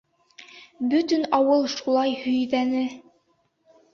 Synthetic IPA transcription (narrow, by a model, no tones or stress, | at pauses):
bɵt̪ɵnɑwɤlˠʃulˠɑjhɵ̆jðænɘ